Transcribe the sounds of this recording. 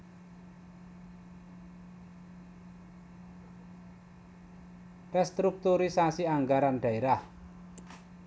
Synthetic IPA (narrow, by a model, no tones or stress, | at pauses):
rɛst̪ɾuk̚t̪uɾisasiaŋɡaɾanɖ̥a̤eɾah